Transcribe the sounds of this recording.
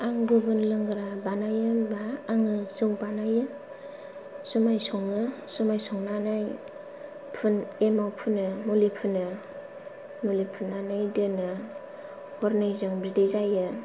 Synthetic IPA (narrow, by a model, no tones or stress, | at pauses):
aŋɡɯbɯnlɯŋɡɯɾabanajɯbaːŋɯsɯŋbanajɯ | sumajsɔŋɯ | sumajsɔŋnanaj | pʰɯnemawpʰɯnɯmulipʰɯnɯ | mulipʰɯnːanajdɯnɯ | hɔɾnɯjzɯŋbidezajɯ